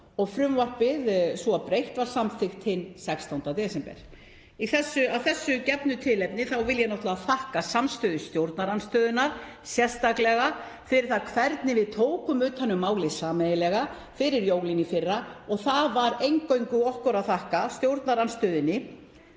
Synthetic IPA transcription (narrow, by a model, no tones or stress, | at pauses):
ɔɣfɾʏmvar̥pɪðsɔapɾejht̪vaɾ̥samfɪxt̪hɪnsɛkst̪awnt̪at̪ɛsɛmpɛ̰ɾ̥ | iθɛsːʏavθɛsːʏcɛpnʏt̪ʰɪlɛpnɪθawvɪljanɔht̪lavaθahkasamst̪ʏːðɪst̪jowɾt̪naɾanst̪œːðɪnːaɾ̥ | sjɛ̥st̪aklɛɣa | fɪɾɪɾ̥θaðkʰvɛɾt̪nɪvɪðt̪ʰoːwkʏmʏːt̪ʰhanːʏmːaːwlɪsaːmɛjɪlɛɣa | fɪɾɪɾjoːwlinifɪrːaɔɣθavaɾejŋkœɥŋkʏɔhkʏɾaðθahkast̪jowɾt̪naɾanst̪ʏːðɪnːɪ